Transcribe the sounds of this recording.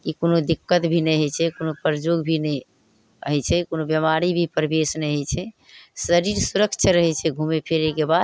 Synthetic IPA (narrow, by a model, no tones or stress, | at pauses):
kikonod̪ikːət̪bʱinɛjɦət͡ʃʰɛkonopəɾd͡ʒoɡbʱinɛ | ɦɛt͡ʃʰɛkonobjəmaɾibʱipɾbesnɛjɦət͡ʃʰɛ | səɾiɾsuɾəkt͡ʃʰəɾəɦɛt͡ʃʰɛɡʱumepʰeɾekebad̪